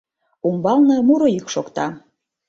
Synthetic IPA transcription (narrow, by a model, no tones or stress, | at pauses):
umbɑlnɤ̆muɾoikʃokt̪ɑ